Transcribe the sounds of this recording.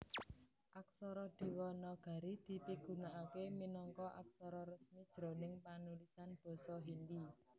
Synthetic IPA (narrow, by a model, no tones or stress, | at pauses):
ʔak̚sɔɾɔd̪̥i̤wɔnɔɡ̥a̤ɾid̪̥i̤piɡ̥ṳnaʔakeminɔŋkɔʔa̰k̚sɔɾɔɾəsmid̥ʒ̥ɾo̤nɪŋpanulisanb̥ɔ̤sɔɦind̪i